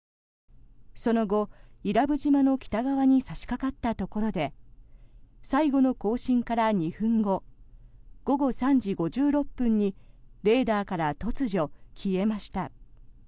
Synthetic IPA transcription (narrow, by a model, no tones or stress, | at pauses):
so̞no̞ɡo̞iɾabɯ̟ʑimano̞kʲi̥t̪aɡaβaɲ̟isaɕi̥kakat̪ːat̪o̞ko̞ɾo̞d̪e̞ | saiɡo̞no̞ko̞ːɕĩŋkaɾaɲ̟iɸɯ̟̃ŋɡo̞ | ɡ̥o̞ɡo̞sãɲ̟d͡ʑiɡo̞ʑɨːɾo̞pːɯ̃ɲ̟ːi | ɾe̞ːd̪aːkaɾat̪o̞t͡sɨʑo̞kʲʰie̞maɕi̥t̪a